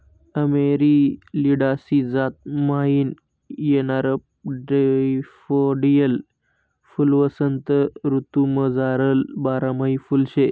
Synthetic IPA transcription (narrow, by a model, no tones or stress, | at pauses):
əmeɾiliɽasid͡zat̪̚main | jenaɾəpɖefoɖijəl | fulʋəsənt̪əɾut̪uməd͡zaɾəlbaɾaməifulɕe